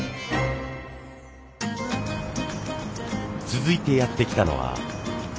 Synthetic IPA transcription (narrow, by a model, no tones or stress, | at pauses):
t͡sɨzɨit̪e̞jat̪ːe̞kʲi̥t̪ano̞̰βa̰